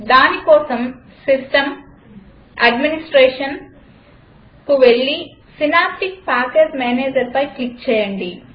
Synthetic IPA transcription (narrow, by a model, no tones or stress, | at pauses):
d̪aːnikoːsɐm | sisʈɐm | ɐɖminisʈɾeːʂɐn | kuʋeɭːi | sinaːpʈik̚paːkeːd͡ʒmeːneːd͡ʒɐɾpɐjklikt͡ʃɛːjɐɳɖi